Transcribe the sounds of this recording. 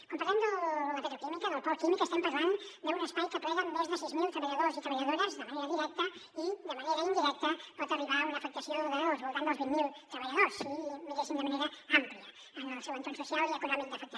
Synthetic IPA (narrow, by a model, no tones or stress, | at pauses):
kompaɾand̪əlapet̪ɾoklimikəðəlpɔɾklimikəst̪ampazand̪əunəspajkəpɾɛɣənmozðəsizmilˠt̪ɾɐβaʎaðoɾzit̪ɾɐβaʎaðoɾəzðəmaneɾɐðiɾɛk̚t̪ə | iðəmaneɾɐind̪iɾɛk̚t̪əpɔt̪əriβaləfək̚t̪asjoðəβaðozβolˠt̪anolzβiŋmilˠt̪ɾɐβɐʎaðoɾsimiɣesinəmaneɾɐampliɐ | seβint̪ansesjaliəkunɔmik̚d̪əfək̚t̪